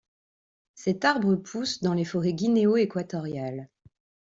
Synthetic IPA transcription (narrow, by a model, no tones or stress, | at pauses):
sɛt̪aʁbʁəpʰusd̪ɑ̃lefɔʁɛɡʲineoekwat̪ɔʁjal